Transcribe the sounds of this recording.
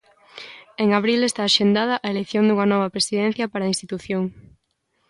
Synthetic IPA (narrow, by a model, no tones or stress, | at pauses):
eŋaβɾilest̪aːʃend̪að̞ɐʔaelekθjonŋd̪uŋɐnɔβɐpɾesiðen̟θjɐpaɾaːinst̪it̪uθjoŋ